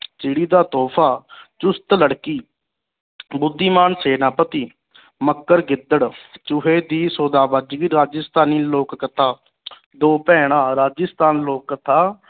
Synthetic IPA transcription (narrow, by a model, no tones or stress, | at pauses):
t͡ʃɪɽiːd̪aːt̪ɔːpʰaːt͡ʃʊst̪ləɽkiː | bʊd̪ʱːiːmaːnseːnaːpət̪iː | məkːəɾɡɪd̪əɽt͡ʃʊɦeːd̪iːsoːd̪aːbəd͡ʒɡiːɾaːd͡ʒəst̪aːniːloːkːət̪ʰaː | d̪oːpɛ̃ːɽ̃aːɾaːd͡ʒəst̪aːnloːkːət̪ʰaː